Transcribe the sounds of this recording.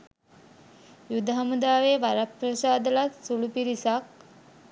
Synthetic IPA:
jud̪ɐɦamud̪aːʋeːʋaɾɐprɐsaːd̪ɐlasulupiɾisak̚

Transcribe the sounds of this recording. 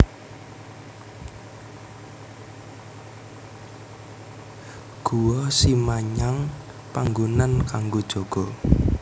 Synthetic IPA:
ɡ̥uwɔsimaɲaŋ | paŋɡunankaŋɡod̥ʒ̥oɡ̥ɔ

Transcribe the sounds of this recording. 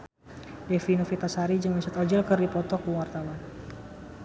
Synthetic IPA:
definofit̪asaɾid͡ʒɨŋmisat̪ɔd͡ʒəlkɨrdipɔt̪ɔkuwart̪awan

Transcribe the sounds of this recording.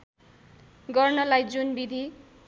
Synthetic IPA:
ɡʌrnʌlajd͡zunbid̪ʱi

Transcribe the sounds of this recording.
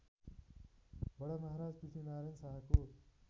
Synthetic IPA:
bʌɽamʌɦaɾad͡zpisʰinaɾensaɦako

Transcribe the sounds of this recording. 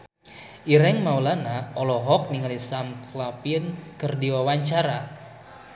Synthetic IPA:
ʔiɾɛŋmaulanaʔɔlɔɦɔk̚niŋalisamklapinkɨrdiwawaɲt͡ʃaɾa

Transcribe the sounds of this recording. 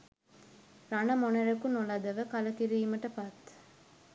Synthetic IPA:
ɾɐɳɐmonɐɾɐkːunɔlɐd̪ɐʋɐkɐlɐkiɾijmɐʈːɐpat̪ː

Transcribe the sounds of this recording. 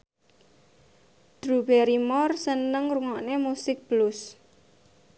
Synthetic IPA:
d̥ɾubɛɾimɔrsənəŋruŋɔʔnemusɪk̚b̥lʊs

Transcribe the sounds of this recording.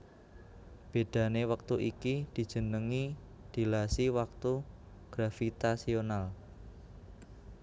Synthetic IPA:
b̥e̤d̪̥ä̤newək̚t̪uʔikid̪̥i̤d̥ʒ̥ə̤nəŋi | d̪̥i̤lasiwak̚t̪u | ɡ̥ɾafit̪asional

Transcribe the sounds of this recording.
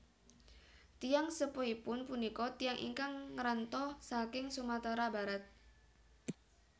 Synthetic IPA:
t̪ijaŋsəpoipʊnpunikɔt̪ijaŋʔḭŋkaŋːɾant̪ɔsakɪŋsumat̪aɾabaɾat̪̚

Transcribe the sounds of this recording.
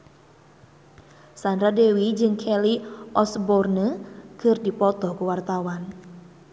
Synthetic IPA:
sandɾadewid͡ʒɨŋkʰɛliʔɔsbɔrnəkərdipɔt̪ɔhkuwart̪awan

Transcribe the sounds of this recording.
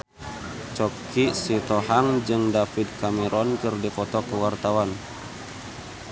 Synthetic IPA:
t͡ʃɔk | isit̪ɔɦaŋd͡ʒɨŋdafid̪̚kamɛɾɔnkɨrdipɔt̪ɔkəwart̪awan

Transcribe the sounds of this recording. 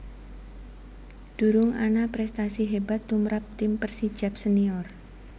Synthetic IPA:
d̥ṳɾʊŋa̰napɾɛst̪asiɦebat̪ːumɾap̚t̪ɪmpərsid̥ʒ̥a̤p̚səniɔr

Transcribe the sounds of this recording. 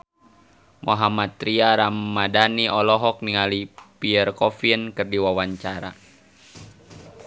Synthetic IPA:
moɦamat̪̚ɾiaɾamːadaniʔɔlɔɦɔk̚niŋalipiərkɔfinkɨrdiwawaɲt͡ʃaɾa̰

